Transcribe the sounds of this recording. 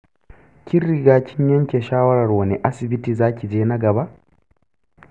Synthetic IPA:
kʲi˦rːi˨ɡaː˦kʲʰɪ˦ɲjɐ˦ŋkʲe˨ʃaː˦wɐ˦ɾɐ˨rwɐ˨nɛ˨ʔa˦sɪ˨bi˦ti˨zaː˦kʲi˨d͡ʒeː˦na˦ɡɐ˨ba˦ʔ

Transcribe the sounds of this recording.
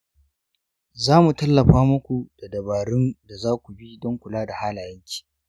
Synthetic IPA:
zaː˦mu˨tɐ˦lːɐ˨ɸaː˦mʊ˦kʷu˨d̥a˨dɐ˨baː˨ɾɪ˦nda˨zaː˦kʷu˨bi˦dɔ˦ŋkʷʊ˨laː˦da˨haː˦la˨jɐ˦ŋkʲi̥ː˨

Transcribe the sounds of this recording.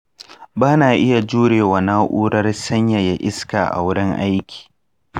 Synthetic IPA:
baː˦naː˨ʔɪ˦ja˨d͡ʒuː˦ɽeː˨wa˨naː˦ʔuː˦ɽɐ˦rsɐ˦ɲja˨ja˦ʔɪ˦skaː˨ʔa̰˨wʊ˦ɽɪ˦ŋʔa̰˦jkʲi̥ː˨

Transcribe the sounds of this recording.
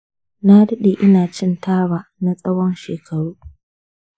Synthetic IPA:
na˦dɐ˦ɗe˨ʔɪ˦naː˨t͡ʃɪ˦ntʰaː˦waː˨na˦sʼɐ˦wɔ˦nʃeː˨kʰɐ˨ɽuː˦

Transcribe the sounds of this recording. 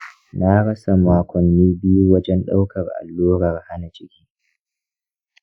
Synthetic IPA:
naː˦ɽɐ˦sa˨maː˦kʷɔ˨nːiː˦bɪ˦ju˦wɐ˦d͡ʒɛ˦nɗa˦wkɐ˨rʔa̰˨lːuː˦ɾɐ˨rha˦na˨t͡ʃɪ˦kʲiː˦

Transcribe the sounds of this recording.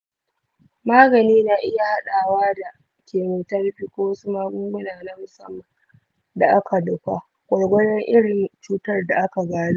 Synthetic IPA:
maː˦ɡɐ˨niː˦na˨ʔɪ˦ja˨ha˦ɗaː˨waː˦da˨ | kʲeː˨muː˨tɐ˦rɸiː˦kʷoː˦wɐ˦su˦maː˦ɡʷʊ˦ŋɡʷʊ˦naː˨na˦mʊ˨sɐ̰˦mːɐ˨n | da˨ʔa˦kʰa˨dʊ˨kʷa˦ | kʷʼɐ˨jɡʷɐ˦ɽɛ˦ŋʔɪ˦ɽɪ˨ŋt͡ʃuː˦tɐ˦rda˨ʔa˦ka˨ɡaː˦ɽu˦ʔ

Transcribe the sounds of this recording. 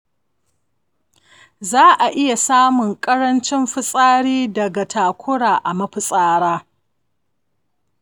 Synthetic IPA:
zaː˦ʔa˨ʔɪ˦ja˨saː˦mʊ˨ŋkʼɐ˦ɽɐ˦nt͡ʃɪ˦mɸɪ˦sʼaː˦ɽiː˦dɐ˨ɡa˨tʰaː˨kʷʊ˦ɽaː˨ʔa˨mɐ˦ɸɪ˨sʼaː˦ɽaː˦

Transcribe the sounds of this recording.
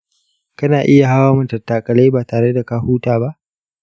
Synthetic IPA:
kɐ˦naː˨ʔɪ˦ja˨ɦa˦waː˦mʊ˨ntɐ˨tːaː˨kʼɐ˨le˦baː˨taː˨ɽe˦da˨ka˦huː˦taː˨ba˦ʔ

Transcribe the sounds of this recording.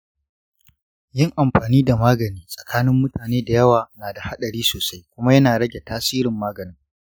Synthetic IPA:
jɪ˦ŋʔa˨mɸaː˨niː˦da˨maː˦ɡɐ˨niː˦sʼɐ̥˨kʰaː˦nɪ˦mːʊ˦tʰaː˨neː˦da˨jɐ˦waː˨naː˨da˨ha˦ɗɐ˨ɾiː˦soː˨sa˦jkʷʊ˦ma˦jɐ˦naː˨ɽɐ˦ɡʲe˨taː˦siː˦ɾɪ˨mːaː˦ɡɐ˨nɪ˦ŋ

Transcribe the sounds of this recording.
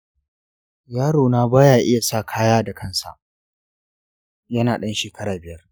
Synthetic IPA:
jaː˦ɽoː˨naː˦baː˦jaː˨ʔɪ˦ja˨saː˦˨kʰaː˦jaː˦da˨kʰɐ˦nsa̰˨ʔ | jɐ˦naː˨ɗɐ˦nʃeː˨kʰɐ˦ɽaː˨bɪ˨jɐ˦r

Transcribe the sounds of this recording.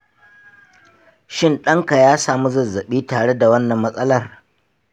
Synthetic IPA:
ʃɪ˦˨nɗɐ˦ŋka˨jaː˦saː˨mu˦zɐ˨zɐ˨ɓiː˦taː˨ɽe˦da˨wɐ˦nːɐ˨mːɐ˦sʼɐ˦lɐ˦˨r

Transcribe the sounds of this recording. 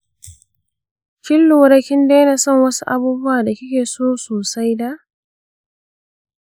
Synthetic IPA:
kʲɪ˦lːʊ˨˦ɾɐ˦kʲɪ˦ndeː˦na˨sɔ˦˨ŋwɐ˦su˦ʔa˨buː˦bʊ˦waː˨da˨kʲɪ˦kʲeː˨soː˦soː˨sa˦jda˦ʔ

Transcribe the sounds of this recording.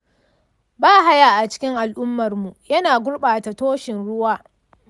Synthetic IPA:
baː˦ɦa˦jaː˨ʔa˨t͡ʃɪ̥˦kʲɪ˦ŋʔa˨lʔʊ˦mːɐ˨rmu˨jɐ˦naː˨ɡʷʊ˦ɽɓaː˨ta˨toː˦ʃɪ˨nɽʊ˦waː˦

